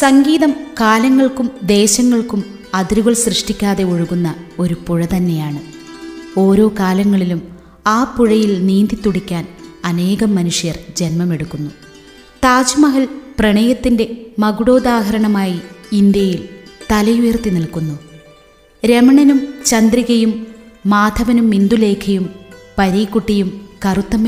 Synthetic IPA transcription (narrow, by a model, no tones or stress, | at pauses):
sɐŋɡiːðɐmkaːlɐŋːɐɭkumd̪e̞ːɕɐŋːɐɭkum | ɐðiɾuɣɐɭsrɨʂʈikʲːaːðe̞uɻuɣunːɐo̞ɾupuɻɐt̪ɐnːe̞jaːɳɨ | o̞ːɾo̞ːkaːlɐŋːɐɭilum | aːpːuɻɐjilniːnd̪it̪ːuɽikʲːaːnɐne̞ːɣɐmːɐnuʂjɐrd͡ʑe̞nmɐme̞ɽukːunːu | t̪aːd͡ʑumɐɦɐɭprɐɳɐjɐt̪ːinde̞mɐɡuɽoːd̪aːɦɐɾɐɳɐmaːjiind̪jɐjilt̪ɐlɐjujɐrt̪ːiniɭkːunːu | ɾe̞mɐɳɐnumt͡ɕɐnd̪riɣɐjumːaːd̪ʱɐʋɐnumːind̪ule̞ːkʰɐjumpɐɾiːkːuʈːijumkɐrut̪ːɐm